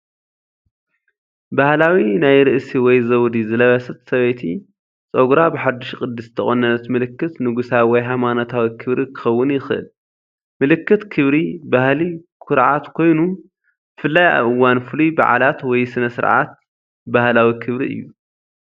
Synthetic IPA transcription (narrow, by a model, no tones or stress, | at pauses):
bahlawinajɾɨʔsiwɔjzɐwd̪izɨlɐβɐsɐt̪sɐβejt̪ʰḭ | t͡sʼoɡɾabɨħad̪ːɨʃkʼɨd̪ːɨsɨt̪ʰɐχʼonɐnɐt̪mɨlɨkːɨt̪nɨɡusawɔjɦamanot̪ʰawikʰɨβɾikʰɨ̥xɐwːʊnjɪxʔɨ̰l | mɨlɨkːɨt̪kʰɨβɾibahlikʰʊɾʕat̪kʰo̞jnu | bɨfɨlːaja̰βʔɨwːanfɨluba̰ʕa̰lat̪wɔjsɨnɐsɨɾʕa̰t̪̚ | bahlawikʰɨβɾḭʔɨ̰jːu